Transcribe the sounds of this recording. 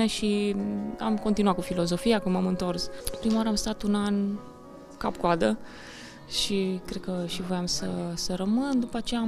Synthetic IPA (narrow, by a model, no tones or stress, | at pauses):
eʃi | a̰mkont̪inuat̪kufilo̞zo̞fiakəmamɨnt̪o̞rsɨpɾimawaɾeəamst̪at̪unan | kap̚koad̪ə | ʃikɾe̞d̪̚kəʃivɾeamsəsəɾəmɨnd̪upəat͡ʃeja